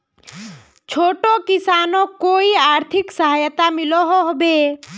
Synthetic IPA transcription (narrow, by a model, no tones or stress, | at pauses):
t͡ʃʰoːʈokɪsaːnõkoːiaːɾt̪ʰɪksəɦajt̪amɪloɦoɦbe